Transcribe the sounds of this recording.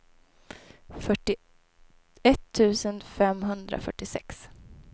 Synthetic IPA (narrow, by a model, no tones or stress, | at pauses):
fœʈːɪ | ɛt̪ʰːʉ̟ːsənfɛmɦɵnd̪ɾa̰fœ̰ʈːɪsɛks